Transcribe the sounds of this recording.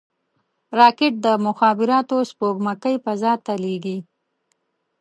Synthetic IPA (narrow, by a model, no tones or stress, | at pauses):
ɾɑkɪʈ̚d̪əmʊxɑːbɪɾɑt̪ospoɡmakəjpazɑt̪aleɡi